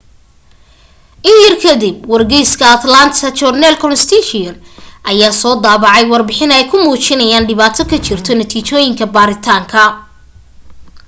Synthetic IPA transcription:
ʔɪnjɐrkʰɐd̪ib̚wɐrɡɛjskʰɐɐt̪laːnt̪ɐt͡ʃɔrnɛlkʰɔnst̪ʰit͡ʃɪnʔɐjaːsɔːd̪aːβɑʕɑjwɑrbɪħɪnɛjkʰʊmuːt͡ʃɪnɐjaːnɖɪβaːt̪ʰɔkʰɐt͡ʃɪrt̪ʰɔnɐt̪ʰiːt͡ʃɔːjɪŋkʰɐbaːɾɪt̪ʰaːŋkʰɐ

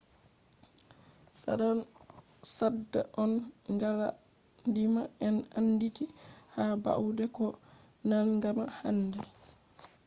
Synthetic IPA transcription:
sa̰ɗan | sadːaʔɔnŋɡala | ndimaɛnanːditihaba̰udɛkɔ | nalŋɡamaha̰nːdɛ

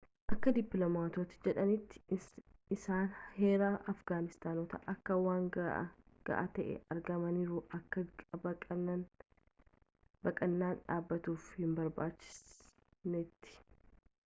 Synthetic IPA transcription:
ʔɐkːɐd̪ɪpːlomaːt̪oːt̪ɪ̥d͡ʒɛᶑɐnɪt̪ːɪ̥ | ɪsaːnhe̞ːɾaːʔɐfɡaːnɪst̪aːnoːt̪ɐʔɐkːɐwaːŋ | ɡ̥ɐ̰ʔat̪ɐʔɛ̰ɐɾɡɐmɐniːɾuʔɐkːɐbɐɐɐn | bɐkʼɐnːaːnᶑaːbːɐt̪uːfhɪmbɐɾbaːt͡ʃːɪ̥s | nɛt̪ːɪ̥

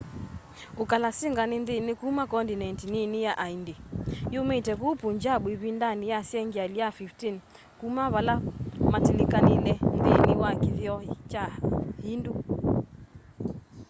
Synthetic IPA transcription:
ukalasiŋɡaninðinikumakɔndinantininijaʔaindejumɛtɛkupuɲd͡ʒaɓwiβindanijasiɛŋɡialiafiftin | kumaβalamatilikanilɛndiniwakiðjɔit͡ʃahindu

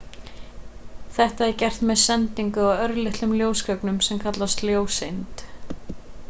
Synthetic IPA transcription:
θɛht̪aɛɾcɛr̥t̪mɛðsɛnt̪iŋkʏaðœɾlɪht̪lʏmljoːwskœknʏmsɛmkʰat̪last̪ljoːwsɪnt̪

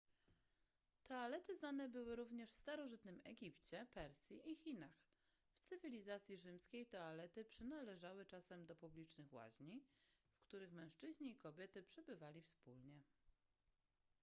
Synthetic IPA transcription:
t̪ɔalɛt̪ɘznanɛbɘwɘɾuvɲɛʂfst̪aɾɔʐɘt̪nɘmɛɡʲipt͡ɕɛpɛɾsʲjiʔixʲinax | ft̪sɘvʲilʲizat̪sʲjiʐɘmskʲejt̪ɔalɛt̪ɘpʂɘnalɛʐawɘt͡ʂasɛmd̪ɔpublʲit͡ʂnɘxwa̰ʑɲifkt̪uɾɘxmɛ̃w̃ʂt͡ʂɘʑɲiːkɔbʲjɛt̪ɘpʂɛbɘvalʲifspulɲɛ

